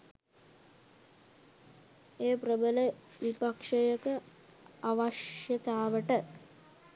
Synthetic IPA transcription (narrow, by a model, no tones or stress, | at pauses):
eːprəbələ | ʋipakʂejəkə | aʋaʃjət̪aːʋəʈə